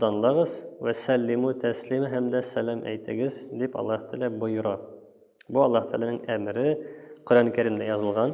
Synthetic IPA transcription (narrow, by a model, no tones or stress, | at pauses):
d̪ɑnlˠɑʁɤzwæsælːimut̪ʰæslimɘɦæmd̪æsælæmʔæ̰jt̪ɘ̆ɡɘzd̪ipɒ̰lˠːɑht̪ʰælæbŏjŏɾɑ | buɒlˠːɑht̪ʰæ̰lænɘŋæmɘɾɘqɵ̆ɾænkʲæɾɘ̆nd̪æjɒzɤ̆lˠʁɑn